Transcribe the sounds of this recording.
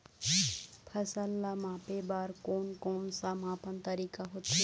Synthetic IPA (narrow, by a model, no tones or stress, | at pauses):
pʰɐsɐlːamãpebaːɾkoːnkoːnsamãːpənt̪ɐɾiːkaɦot̪ʰːe